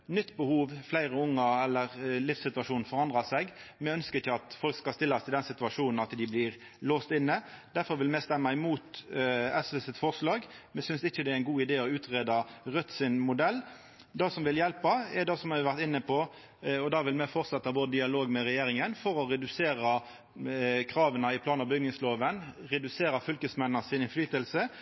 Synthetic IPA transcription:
nʏt̪ːbəhuːʋflæɪɾəʊŋːɑɛlːəʁlɪfssɪt̪ʉɑʂuːnn̩fɔʁɑnd̪ʁɑsɛɡmɛœnskəɾɪçːəɑt̪fɔlkskɑst̪ɪlːɑsɪd̪ɛnsɪt̪ʉɑʂuːnn̩ɑt̪d̪ɪblɪʁ | loːst̪ɪnːəd̪̥æɾfɔɾʋɪlmɛst̪ɛmːɑɪmuːt̪ɛsɛsət̪fɔʁslɑːɡmɛsʏnsɪçːəd̪ɛæɾæɪnɡuːɪd̪eːɔʉːt̪ʁeːd̪ɑʁœt̪ːsɪnmʊd̪ɛlː | d̪ɑːsɔmʋɪljɛlpɑɛd̪ɑsɔmɑɪʋæʁt̪ɪnːəpʰɔ | ɔd̪ɑːʋɪlmɛfɔʁt̪sɛt̪ːɑboːd̪əd̪ɪɑloːɡmɛɾɛjeːɾɪŋənfɔɾɔʁɛd̪ʉseːɾɑ | kʰɾɑːʋənɑɪpʰlɑːnɑbʏɡ̪nɪŋsloːʋənʁɛd̪ʉseːɾɑfʏlkəsmɛnːɑsɪnɪnflyːt̪əlsə

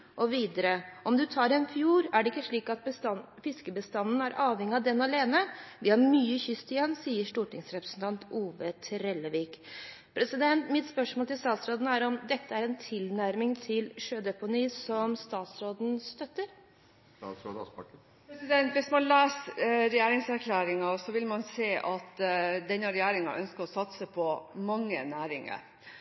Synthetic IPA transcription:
ʔɔʋiːd̪əɾəʔɔmd̪ʉt̪ʰɑːɾɛnfjuːɾæɖɛɪkːəʂɭiːkɑt̪bəɑ | fɪskəbəst̪ɑnːn̩æɾʔɑːʋhɛŋːɪɑd̪ɛnːɑleːnəʋɪhɑɾmyːəçʏst̪ɪjɛnsiːəʂʈuːʈɪŋsɾɛpɾə̥sn̩t̪ʰɑnt̪uːʋət̪ʰɾɛlːəʋiːk | pʰɾɛsɪd̪ɛnt̪mɪt̪spœʂmoːlt̪ɪlst̪ɑːt̪sɾoːd̪n̩æɾɔmd̪ɛt̪ːəæɾɛnt̪ʰɪlnæɾmɪŋt̪ʰɪlʂøːd̪ɛpʊniːsɔmst̪ɑːt̪sɾoːd̪n̩st̪œt̪ːəɾ | ɑ̰s | pɾɛsɪd̪ɛnt̪ʋɪsmɑnlæːsɾɛjæːɾɪŋsæɾkʰlæːɾɪŋɑsɔʋɪlmɑnseːʔɑt̪d̪ɛnːɑɾɛjæːɾɪŋɑ̰ʔœnskəɾɔsɑt̪səpʰɔmɑŋːə̰næːɾɪŋə̰

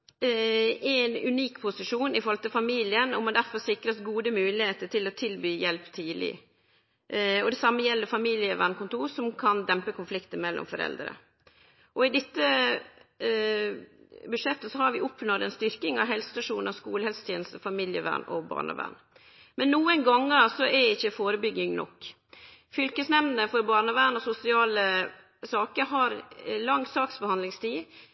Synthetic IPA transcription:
ɛnʉ̰niːkpʰʊsɪʂuːnɪfɔɾlt̪əfɑmiːlɪənɔmɔd̪æɾfɔɾsɪkɾəsɡuːd̪əmʉːlɪheːt̪əʈʰɪlɔt̪ʰɪlbyːjɛlpt̪ʰiːlɪ̰ | ɔd̪ɛsɑmːəjɛlːəɾfɑmiːlɪəʋæɳkʊnt̪uːɾsɔmkʰɑnd̪ɛmpəkʰʊnflɪkt̪əmɛlːʔɔ̰mfɔɾɛ̰ld̪ɾə̰ | ʔɔɪd̪ɪt̪ːə | bʉʂɛt̪ːəsɔhɑɾʋɪʊpnɔd̪ɛnst̪ʏɾkɪŋɑ̰ʋɦɛlsəst̪ɑʂuːnəskṵːləhɛlsə̥t̪ʰjeːnlst̪əfɑmiːljəʋæ̰ɳɔ̰bɑ̰ːɳə̰ʋæ̰ːɳ | mɛnːuːənɡɑŋːəsɔɛɾɪçːəfoːɾəbʏɡɪŋnɔ̰kː | fʏlkəsnɛmnəfɔɾbɑːɳəʋæːɳɔsʊsɪɑːlə | sɑːkəɾɦɑɾlɑŋːsɑːksbəhɑnlɪŋst̪ʰiː

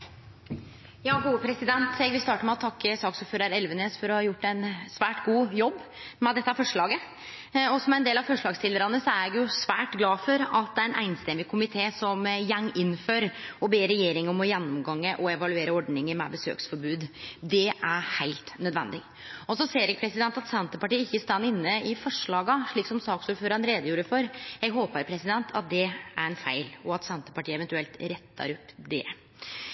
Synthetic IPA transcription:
jɑːɡuːəpʰɾɛsɪd̪ɛnt̪ʰɛɡʋɪlst̪ɑːʈəmɛɔt̪ʰɑkːəsɑːksuːpføːɾɑɾɛlʋəneːsfɔɾɔhɑjʊʈːæɪnsʋæːʈɡuːjɔbːmɛd̪ɛt̪ːəɑfɔʂɭɑːɡə | ɔsɔmæɾɛnd̪eːlɑʋfɔʂɭɑːɡst̪ʰɪlːəɾɑnəsɔæɾɛɡjʊsʋæːʈɡlɑːfɔɾɑt̪̚d̪ɛæɾɛnʔæ̰ɪnst̪ɛmːɪkʰʊmɪt̪ʰeːsɔmjɛŋːɪnːføːɾɔbeːɾɛjeːɾɪŋɔmɔjɛnːɔmɡɑŋːəʔɔɛʋɑlʉeːɾəɔɖɳɪŋəmɛ̰bəsø̰ːksfɔɾbʉːd̪d̪ɛʔæɾhæɪlt̪nœd̪ʋɛ̰nd̪ɪ | ɔsɔseːɾɛɡ̚pʰɾɛsɪd̪ɛnt̪ɑt̪sɛnt̪əpɑʈiːəɪçːəɪst̪ɑnːɪnːəɪfɔʂɭɑːɡɑʂɭiːksɔmsɑːksuːɾføːɾɑnɾeːd̪əjuːɾəfɔɾjɛɡɦoːpəɾpʰɾɛsɪd̪ɛnt̪ʰɑt̪̚d̪ɛæɾɛnfæɪlɔɑt̪sɛnt̪ə̥pɑʈiːəɛʋɛnt̪ʉɛlt̪ɾɛt̪ːɑ̰ɾɔpd̪ɛ

